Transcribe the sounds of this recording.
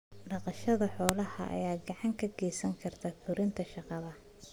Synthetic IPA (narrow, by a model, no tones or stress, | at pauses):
ɖɑqɑʃɐðɐħɔːlɐhɐ̰ʔɐ̰jaːɡɑʕɑŋkʰɐɡɛjsɐŋkʰɐrt̪ʰɐfʰʊɾɪnt̪ʰɐʃɑqɑβɐ